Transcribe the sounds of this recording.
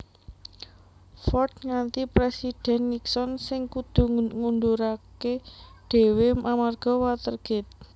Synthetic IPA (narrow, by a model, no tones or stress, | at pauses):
fɔrt̪ŋant̪ipɾesid̪̥ɛ̤nːiksɔnsɪŋkud̪̥ṳŋund̪uɾakeɖ̥e̤wemʔamarɡ̥ɔ̤wat̪ərɡ̥ɪ̤t̪̚